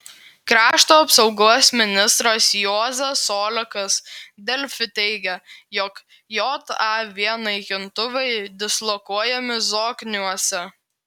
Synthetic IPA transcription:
kɾɑːʃt̪oːɐpsɐʊɡuɔsʲmʲɪnʲɪst̪ɾɐsjoːzʲɛsoːlʲɛkɐsd̪ʲɛlʲfʲɪt̪ʲɛɪɡʲɛjɔk | joːt̪ɑʋʲiɛnɐɪkʲɪnt̪ʊʋɐɪd̪ʲɪslˠɔkuɔjɛmʲɪzoːkʲnʲuɔsʲɛ

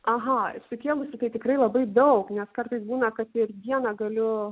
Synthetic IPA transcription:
ɐɦɐɪsʲʊkʲeːlˠʊsʲɪt̪ɐɪt̪ʲɪkɾɐɪlˠɐbɐɪd̪ɐʊknʲɛskɐrt̪ɐɪsbuːnɐkɐt̪ɪrd̪ʲiɛnɐɡɐlʲʊ

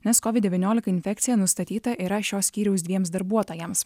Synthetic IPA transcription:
nʲɛskɔːʋʲɪd̪dʲɛʋʲiɪnʲoːlʲɪkɐɪnʲfʲɛk̚t̪sʲɪjɛnʊst̪ɐt̪ʲiːt̪ɐʔiːɾɐʃʲoːsʲkʲiːɾʲɛʊsd̪ʲʋʲiɛms̬d̪ɐɾbuɔt̪oːjɛms

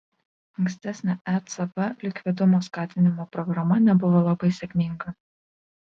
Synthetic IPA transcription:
ɐŋksʲt̪ʲæsʲnʲɛʔæt̪sɐbɐlʲɪkʲʋʲɪd̪ʊmoːskɑːt̪ʲɪnʲɪmoːpɾɔɡɾɐmɐnʲɛbʊʋoːlˠɐbɐɪsʲɛkʲmʲɪŋɡɐ

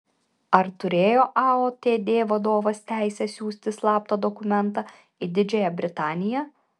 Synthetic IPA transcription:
ɐɾt̪ʊɾʲeːjoːʔɑoːt̪ʲeːd̪ʲeːʋɐd̪oːʋɐst̪ʲæˑɪsʲɛsʲuːsʲt̪ʲɪslˠɑːp̚t̪od̪ɔkʊmʲɛnˑt̪ɑ | ɪd̪ʲɪd͡ʒʲɛjɛbʲɾʲɪt̪ɑːnʲɪjɛ

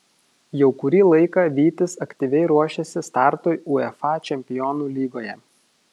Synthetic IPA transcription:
jɛʊkʊɾʲiːlˠɐɪkɑːʋʲiːt̪ʲɪsɐkt̪ʲiʋʲɛɪɾuɔʃʲɛsʲɪst̪ɑˑɾt̪oːɪuɛfɑːt͡ʃʲɛmʲpʲɪjɔːnuːlʲiːɡoːjɛ

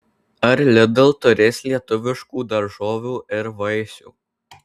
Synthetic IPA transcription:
ɐɾlʲɪd̪ɐlˠt̪ʊɾʲeːsʲlʲiɛt̪ʊʋʲɪʃkuːd̪ɐɾʒoːʋʲuːʔɪɾʋɐɪsʲṵː

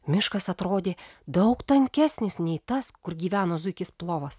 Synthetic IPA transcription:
mʲɪʃkɐsɐt̪ɾoːd̪ʲeːd̪ɒʊkt̪ɐŋʲkʲæsʲnʲɪsnʲɛɪt̪ɐskʊɾɡʲiːʋʲæːnoːzʊɪkʲɪsplˠoːʋɐs

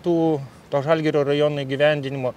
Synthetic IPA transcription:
t̪uː | t̪oʒɑlʲɡʲɛɾʲoːrɐjonuiɡʲiʋʲænʲd̪ʲɪnʲɪmoː

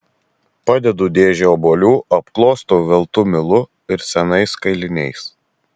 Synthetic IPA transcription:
pɑd̪ʲɛd̪uːd̪ʲeːʒʲɛoːboːlʲuːʔɐpklˠoːst̪oːʋʲɛlˠt̪ʊmʲɪlˠʊ | ɪɾsʲɛnɐɪskɐɪlʲɪnʲɛɪs

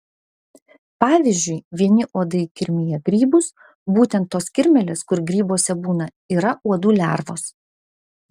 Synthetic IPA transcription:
pɑːʋʲɪzʲd͡ʒʲʊɪʋʲiɛnʲɪʔuɔd̪ɐɪkʲɪɾʲmʲɪjɛɡɾʲiːbʊs | buːt̪ʲɛnt̪ːoːskʲɪɾʲmʲɛlʲeːskʊɾɡɾʲiːboːsʲɛbuːnɐ | iːɾɐʔuɔd̪uːlʲæ̰ɾʋoːs

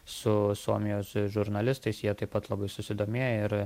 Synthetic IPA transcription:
sʊsuɔmʲɪjoːsʒʊɾnɐlʲɪst̪ɐɪsjiɛt̪ɐɪpːɐt̪lˠɐbɐɪsʊsʲɪd̪oːmʲeːjɛɪɾ

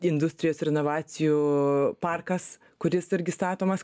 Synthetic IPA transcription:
ɪnd̪ʊsʲt̪ʲɾʲɪjoːsɾʲɛnoːʋɑːt͡s̪ʲɪjuːpɑrkɐs | kʊɾʲɪsɪɾʲɡʲɪst̪ɑːt̪oːmɐs

